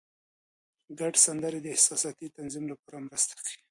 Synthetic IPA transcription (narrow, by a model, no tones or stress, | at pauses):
ɡaɖsand̪əɾed̪əɪhsɑsɑt̪it̪anzimlapɑɾamɾəst̪ḁki̥